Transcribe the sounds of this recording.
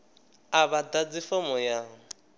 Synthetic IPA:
aβadad͡zifɔmɔjaŋ

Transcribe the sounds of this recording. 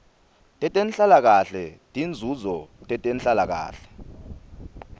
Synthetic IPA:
tʼɛtʼenɬalak̬aɬɛtʼind͡zʱuzɔtʼɛtʼenɬalak̬a̰ːɬɛ̥

